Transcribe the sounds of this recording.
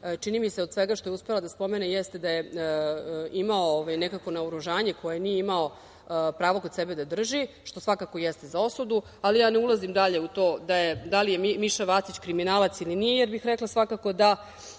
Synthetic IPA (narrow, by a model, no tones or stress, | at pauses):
t͡ʃinimiseo̞d̪sʋeɡaʃt̪o̞jeuspe̞lˠad̪aspo̞me̞nejest̪e̞d̪aje | imaooʋajnekako̞naoɾuʒaːɲe̞ko̞jenijeimao̞ | pɾaːʋoko̞d̪sebe̞d̪ad̪r̩ʒi | ʃt̪o̞sʋakako̞jest̪ezao̞sud̪u | alijaːneulˠazimd̪aʎe̞ut̪oːd̪ajed̪alije̞mimiʃaʋat̪it͡ɕkɾiminaːlat̪silinijejeɾbixɾeklˠasʋakako̞d̪a